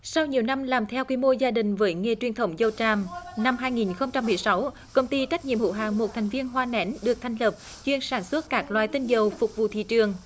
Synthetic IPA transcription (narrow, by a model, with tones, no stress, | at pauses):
sa˧wɲi˨˩əwna˧mlaː˨˩mt̪ʰɛ˧wkwi˧mo˧zaː˧ɗï˨˩ŋ̟vəː˨˦jŋe˧˩t͡ɕwi˧˩ənt̪ʰə˨˦wŋ͡mzə˧wt͡ɕaː˧mna˧mhɦaː˧jŋi˨˩nxə˧wŋ͡mt͡ɕa˧mːɨ˨˩əjsa˨˦w | kə˧wŋ͡mt̪i˧t͡ɕa˦˥k̚ɲḭ˧˨əmhṵ˧˥ɦa̰ː˧˨ŋmo˨˩t̚t̪ʰɛ˨˩jŋ̟vi˧ənɦwaː˧nɛ˨˦nɗɨ˨˩ək̚t̪ʰɛ˨˩ŋ̟lə˨˩p̚ | t͡ɕwi˧ənsaː˧˩nswə˦˥t̚kaː˦˥k̚lwa̰ː˧˨jt̪i˧nzə˨˩wfʊ˨˩k͡p̚vṵ˧˨t̪ʰḭ˧˨t͡ɕɨ˨˩əŋ